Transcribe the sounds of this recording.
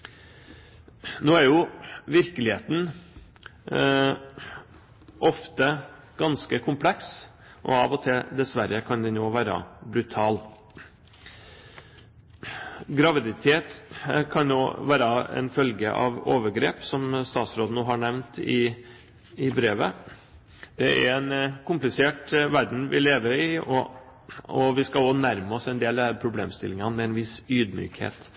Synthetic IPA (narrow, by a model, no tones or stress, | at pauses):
noːæɾjʊʋɪɾkəlɪheːt̪n̩ | ʔɔft̪ə | ɡ̥ɑnskəkʰʊmpʰlɛks | ʔɔ̰ɑʋɔt̪ʰɪld̪ɛsʋæɾəkʰɑnd̪ɛnoːʋæːɾə̰bɾʉt̪ʰɑːl | ɡɾɑʋɪd̪ɪt̪ʰeːt̪kʰɑnnoːʋæːɾəɛ̰nfœlɡə̰ʔɑ̰ʋoːʋəɾɡɾḛːpsɔmst̪ɑːt̪sɾoːd̪ənoːɦɑɳɛʋnt̪ɪ | ɪbɾeːʋə | d̪̥ɛʔæ̰ɾɛnkʰʊmplɪseːʈʋæɾɖɳ̩ʋɪ̰leːʋəɾɪɔ̰ | ɔʋɪskɑoːnæɾməɔsɛnd̪eːlæpʰɾʊbleːmst̪ɪ̰lɪŋɑnmɛɛnʋɪsyːd̪my̰ːkhḛːt̪